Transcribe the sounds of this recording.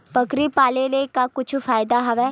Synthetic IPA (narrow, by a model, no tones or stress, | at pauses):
pəkɾiːpaːleːləikaːkʊt͡ʃʰfaːjɪd̪aːɦəʋɛː